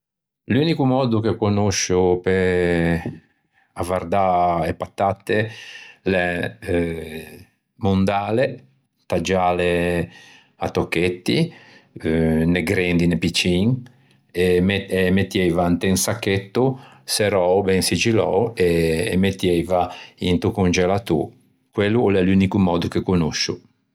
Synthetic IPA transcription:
luːnikumɔːd̪ukekonoʃupe | avaɾd̪aepːat̪ːat̪ːelɛ | mund̪aːle | t̪ad͡ʒaːle | at̪ːokːet̪ːḭ | neɡɾend̪inepit͡ʃiŋ | eeemet̪ːjɛjvaant̪eŋsakːet̪ːu | sɛɾɔːwbɛŋsid͡ʒilɔ̰weːmet̪ːjɛjvaint̪ukund͡ʒɛlat̪ṵ | kwelːulɛlunikumɔːd̪ukekonoʃu

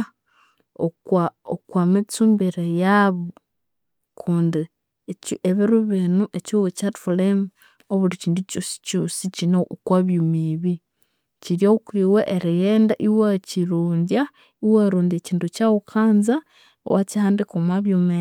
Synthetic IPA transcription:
okaokwamit͡suːmbeɾejaβo | kʰuːndi | eciʔeβiɾuβenuʔecuwecatflem | oβuɾiciːnducosi̥cosicinokwaβjumiβi | ciɾjokiweʔeɾijeːndaʔiwaciɾuːɲdja | iwaɾuːndeciːntucawukʰaːnza | o̰wacihaːndikomaβjume

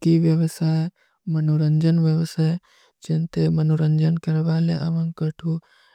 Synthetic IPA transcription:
kiʋjəʋəsaːe | mɐnoɾənd͡ʒənʋjəʋsaːe | d͡ʒent̪emɐnoɾənd͡ʒənkɐɾʋaːleʔɐ̰ʋə̃ŋkəʈʰu

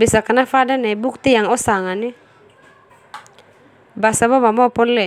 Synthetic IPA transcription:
bisakanafadanaibuk̚t̪ijaŋɔsaŋani | basabamamɔpɔnlɛ

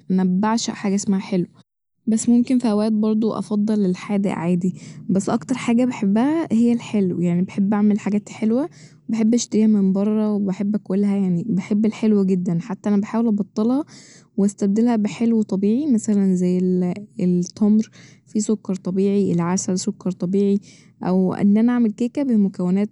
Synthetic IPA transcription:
ʔnæbːaʕʃæħaːɡæʔesmæhæħelwe | bæsːmomkenfihæwæːt̪̚bɑɾˤd̪ˤoʔɑ̰fɑd̪ˤːɑlːelħaːd̪æ̰ʕaːd̪ibæsːʔɑkt̪ɑɾˤħaːɡæbeħebːæhæhejːælħelwjaʕnibeħebːʔaʕmelħaɡæːt̪ħelwæwebeħebːʔæʃt̪eɾiːhæmembɑrˤːɑwebeħebːʔækelːɦæjaʕnibeħebːelħelwæɡed̪ːænħat̪ːæʔænæbeħaːwelʔɑbɑt̪ˤːelhɑ | weæst̪æb̚d̪elhæbeħelwet̪ˤɑbiːʕimæsælænzæjːelelt̪ˤːɑmɾfisokːɑɾˤt̪ˤɑbiːʕiʔelæʕaʃælsokːɑɾˤt̪ˤɑbiːʕi | ʔæ̰wʔḛnːʔænæʔaʕmelkeːkæbemokæwːenæːt̪̚

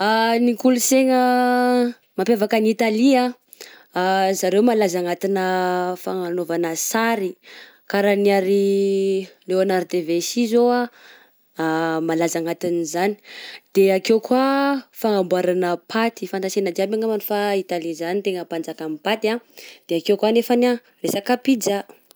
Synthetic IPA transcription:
anikuluseŋə | mampevakənit̪alia | zaɾewmalazaŋat̪inəfaŋanovanəsaɾi | kaɾaniaɾi | lewanaɾd̪evesizoa | malazaŋat̪inizani̥d̪̥eakewkwafaŋambwaɾanəpʰat̪ifant̪asenad͡ʒiabaŋamanufait̪alizanit̪eŋəpand͡zakamipat̪iad̪̥eakewkwanefana | resakapid͡za

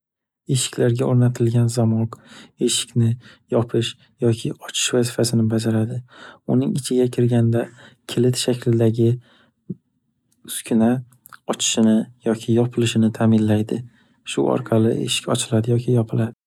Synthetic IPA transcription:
e̞ʃɪ̥kʲʰlaɾɡʲaoɾnat̪ʰɪlɡʲanzamɒqe̞ʃɪ̥kʲnɪjɒpʰɪʃ | jɒkʲʰɪɒt͡ʃʰɪ̥ʃvazɪfasɪnɪbad͡ʒaɾad̪ɪʊnɪŋɪt͡ʃʰɪɡʲakʲʰɪɾɡʲand̪a | kʲʰɪlɪt̪ʃakʰʲlɪd̪aɡʲɪ | ʊskʲʰʊna | ɒt͡ʃʰɪ̥ʃɪnɪjɒkʲʰɪjɒpʰɪlɪʃɪnɪt̪ʰaːmɪnlajd̪ɪ | ʃʊ̰ɒ̰ɾqʰɑlˠɪ̰ʔe̞̰ʃɪ̥kʲɒ̰t͡ʃʰɪlad̪ɪjɒkʲʰɪjɒpʰɪlad̪ɪ

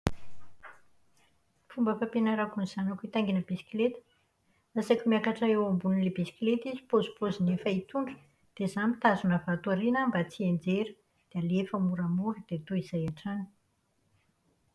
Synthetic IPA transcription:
fumbəfapenaɾakuniz̥anakuit̪aŋɡinəbisi̥klet̪ə̥ | asakʲumiakaʈ͡ʂaewambunilebisi̥klet̪izipozupozinefait̪uɳɖ͡ʐu̥ | d̪̥ezamit̪azunəvat̪uaɾinambat͡siend͡zeɾə̥ | d̪̥ealefəmuɾamuɾəd̪̥et̪oiz̥ajaʈ͡ʂani̥

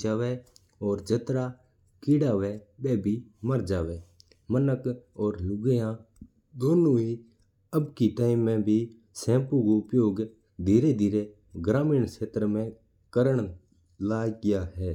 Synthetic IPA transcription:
d͡ʒaːʋɛː | ɔːɾd͡ʒət̪ɾaː | kiːɽaːʋɛːɓɛːbʱiːməɾd͡ʒaːʋeː | mənəkɔːɾlʊɡejãː | d̪oːnoːɦiː | əbkiʈaːɪmːɛ̃ːbʱi | sɛ̃ːpũɡoʊpjoːɡ | d̪ʱiːɾed̪ʱiːɾe | ɡɾaːmiːɳsʰeːt̪ɾmɛ̃ː | kəɾəɳ̃ | laːɡɪjaːɦɛː

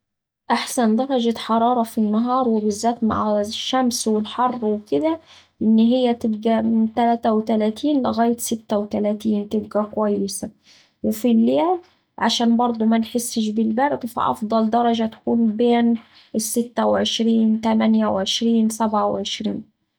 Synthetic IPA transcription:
ʔaħsænd̪ɑɾˤɑd͡ʒaħɑɾˤɑːɾˤɑfinːɑɦɑːɾˤwɪbɪzːæːt̪ma̰ʕʃːæmswɪlħɑrˤːwɪkɪd̪æ | ʔɪnːɦɪjːæt̪ɪbɡæmt̪ælæːt̪æwt̪ælæːt̪ʰiːnlɪɣæːjɪt̪sɪt̪ːæwt̪ælæːt̪iːnt̪ɪb̚ɡækwæjːɪsæ | wɪfilːjæːl | ʕaʃæːnbɑɾˤd̪ˤumænħesːɪʃ̬bɪlbæɾd̪fḭʔɑ̰fd̪ˤɑld̪ɑɾˤɑd͡ʒæt̪ḁkuːnbeːn | ɪsːɪt̪ːæwʕeʃɾiːnt̪æmænjæwʕeʃɾiːnsæbʕawʕeʃɾiːn

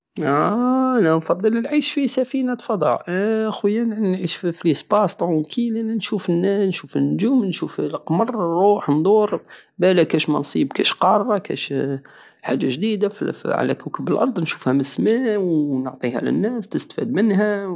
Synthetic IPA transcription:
æænænfɑd̪ˤːələlʕiʃfisæfinat̪fɑd̪ˤɑ̰ʕʔxwəjːannʕiʃfflisbɑst̪ʕukʰilænænʃufənːænʃufnːʊʒuːmnʃuflqmɑrˤrˤːuːħnd̪ˤuɾ | bælækæʃmɑnsˤibkæʃqɑɾːɑkæ̰ʃ | ħa̰ʒːaʒd̪id̪affḭʕa̰læ̰kukəbəlʔɑɾˤd̪ˤnʃu̥fhæməsmæwnʊʕt̪ˤihæ̰lə̰nːæst̪əst̪fid̪̚mənɦæ

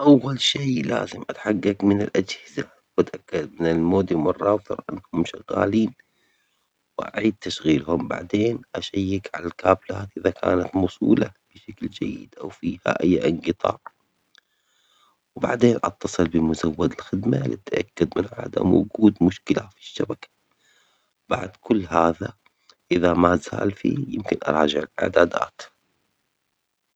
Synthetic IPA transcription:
ʔawːalʃiːla̰ːzɪmʔat̪ħaɡːakmɪnɪlʔad͡ʒhɪza | wat̪ʔakːad̪mɪnɪlmoːd̪imʊrˤːɑːθɨ̰ɾˤʔanːhʊmʃɪɣaːliːn | wʔa̰ʕiːd̪̚t̪ːaʃɣiːlhʊmba̰ʕd̪eːnʔaʃajːakʕa̰lalkaːblaːt̪ʔɪðakʰa̰ːnat̪mʊsˤṵːlab̥ɪʃakld͡ʒajːɪd̪ʔawfiːha̰ʔajːʔɪŋqɨt̪ˤɑ̰ːɾ | wbaʕd̪eːnʔɑt̪ːɑsˤɨlbɪmʊzawːad̪ɪlxɪd̪malɪ̰t̪ːaʔakːʊd̪mɪnʕa̰ːd̪a̰mwʊ̰ɡuːd̪mʊʃkɪlafi̥ʃːabakḁ | b̥aʕd̪kʊlːhaːða | ʔɪðamazaːlfḭːjɪmkɪnʔɑ̰ɾˤɑːd͡ʒɪʕɪlʔɪ̰ʕd̪aːd̪a̰ːt̪

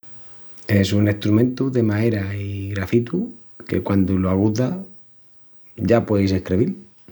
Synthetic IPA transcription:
e̞sune̞st̪ɾumẽnt̪uðe̞maeɾaiɣɾafit̪u | ke̞̰kwand̪oloaɣ̞uða | ɟ͡ʝapweejse̞hkɾeβil

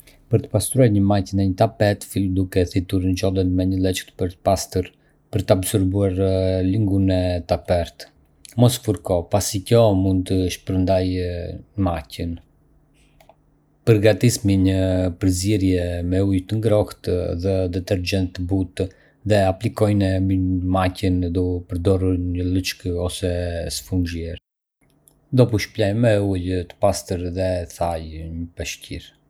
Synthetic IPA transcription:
pəɾt̪ə̥past̪ɾuaɾɲəmacənɛɲət̪apɛt̪fild̪ukɛθit̪uɾnd͡ʒɔlˠənmɛɲəlˠɛt͡ʃkt̪pəɾt̪ə̥past̪əɾ | pəɾt̪abzɔɾbuaɾliŋɡunɛt̪apɛɾt̪ | mɔsfuɾkɔpasikjɔmund̪̚t̪əʃpəɾənd̪aj | macən | pəɾɡat̪ismiɲəpəɾziɾjɛmɛujt̪əŋɡɾɔkt̪ðɛd̪ɛt̪ɛɾd͡ʒɛnt̪ːəbut̪ | ðɛaplikɔjnɛmimacənd̪ɔpəɾd̪ɔruɾɲələt͡ʃkəɔsɛsə̥fund͡ʒjɛɾ | d̪ɔpuʃplɛjmɛujt̪ə̥past̪əɾðɛθajɲəpɛʃciɾ

